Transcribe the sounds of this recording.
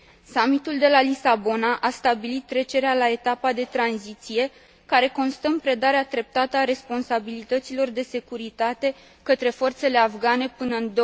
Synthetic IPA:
samit̪uld̪e̞lalisabo̞naʔast̪abilit̪ːɾe̞t͡ʃe̞ɾealae̞t̪apad̪e̞t̪ɾanzit̪sije̞ | kaɾe̞ko̞nst̪əɨmpɾe̞d̪aɾeat̪ɾe̞p̚t̪at̪əaɾe̞spo̞nsabilit̪ət̪silo̞rd̪e̞se̞kuɾit̪at̪e̞ | kət̪ɾe̞fo̞rt̪se̞le̞afɡane̞pɨnəɨnd̪o

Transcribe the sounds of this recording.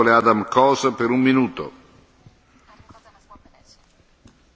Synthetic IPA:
olead̪amkɔːzpeɾumːinuːt̪o̰

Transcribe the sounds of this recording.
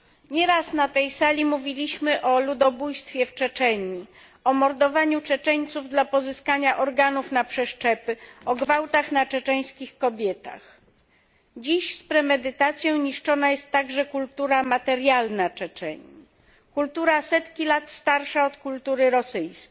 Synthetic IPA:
ɲɛɾasnat̪ɛjsalʲimuvʲilʲiɕmɘʔɔlud̪ɔbujst̪fʲjɛft͡ʂɛt͡ʂɛɲi | ɔmɔɾd̪ɔvaɲut͡ʂɛt͡ʂɛɲt̪suvd̪lapɔzɘskaɲaʔɔɾɡanufnapʂɛʂt͡ʂɛpɘɔɡvawt̪axnat͡ʂɛt͡ʂɛj̃skʲixkɔbʲjɛt̪a̰x | d͡ʑiɕspɾɛmɛd̪ɘt̪at̪sʲjɔ̃w̃ɲiʂt͡ʂɔnajɛst̪ːaɡʐɛkult̪uɾamat̪ɛɾjalnat͡ʂɛt͡ʂɛ̰ɲi | kult̪uɾasɛt̪kʲilat̪st̪aɾʂaɔt̪kult̪uɾɘɾɔsɘjsʲ

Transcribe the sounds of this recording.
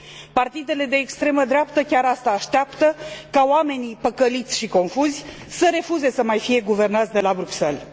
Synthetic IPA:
part̪id̪e̞le̞d̪e̞ːkst̪ɾe̞məd̪ɾeapt̪əkʲaɾast̪aːʃt̪eapt̪əkaoame̞nipəkəlit̪sʲʃiko̞nfuzʲ | səɾe̞fuze̞səmajfije̞ɡuve̞rnat̪sʲd̪e̞labɾukse̞l

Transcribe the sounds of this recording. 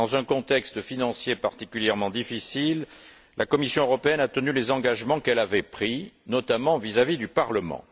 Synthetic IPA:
ɑ̃zɛ̃kɔ̃t̪ɛkst̪finɑ̃sjepaʁt̪ikʲyljɛʁmɑ̃d̪ifisilː | ʔakɔmisjɔ̃øʁɔpeɛnat̪ənylezɑ̃ɡaʒmɑ̃kɛlavɛpχinɔt̪amɑ̃vizavid̪ypaʁləmɑ̰̃

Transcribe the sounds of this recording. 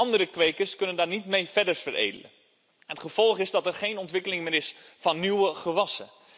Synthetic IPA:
ɑndəɾəkʋejkəɹskɵnəndaːɹnitmejfɛdəɹfəɾḛjdə̰lə̰ | nətχəv̥ɔlˠχɪzdɑtɛrχejnɔntʋɪkəlɪŋmɪːɾɪsfɑnːywəχəʋɑsə

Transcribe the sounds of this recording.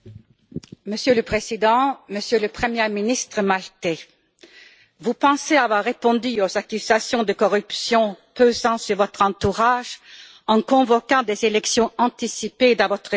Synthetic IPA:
məsjøləpχezid̪ɑ̃məsjøləpχəmjɛminist̪χəmalt̪ɛ̃ | vupɑ̃seavwaʁːepɔ̃d̪yozakʲyz̥asjɔ̃d̪əkɔʁypsjɔ̃pøzɑ̃syʁvɔt̪χɑ̃t̪uʁaʒ | ɑ̃kɔ̃vɔkɑ̃d̪ezelɛksjɔ̃ɑ̃t̪isiped̪ɑ̃vɔt̪χ

